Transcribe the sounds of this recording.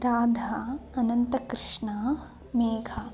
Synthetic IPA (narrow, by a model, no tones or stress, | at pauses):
ɾaːd̪ʱaɐnɐnt̪ɐkɾɪʂɳaː | meːɡʱɐ